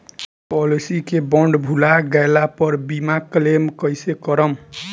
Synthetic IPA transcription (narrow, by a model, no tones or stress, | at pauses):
pɔlisikebɔɳɖbʱulaɡajlapʌɾbimaklemkəjsekəɾəm